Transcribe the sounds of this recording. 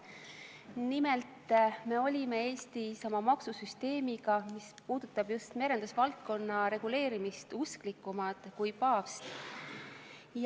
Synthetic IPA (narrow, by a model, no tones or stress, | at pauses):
nimelt̪ːˑme̞o̞lʲime̞e̞ːst̪isɑmɑmɑksusyst̪e̞ːmiɡ̥ɑmispuːd̪̥ut̪ːˑɑb̥just̪me̞ɾe̞nd̪usvɑlt̪̚ko̞nːɑɾe̞ɡ̥ule̞ːɾimist̪usklikːˑumɑd̪̥kujpɑːvst̪ | j